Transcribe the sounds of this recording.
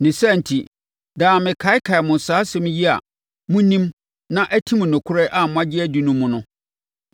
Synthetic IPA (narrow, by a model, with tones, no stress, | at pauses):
nɪ̃˨sa˦˨n̩˨tʰi˨ | dãː˨mɪ̃˨kʰa˨˦ɪ˦kʰa˨ɛ˨mʊ̃˨saː˨˦sɛ̃˦m˦ji˦a̰˨ | mũ˦nĩ˦m | nã˦ʔæ˦tʰĩ˦mʊ̃˨nʊ̃˨kʰʊ˦ɾɛ˦ʔa˦˨mʊ̃˦a˦d͡ʑɪ˦æ˦di˨nʊ̃˦mũ˦nʊ̃˦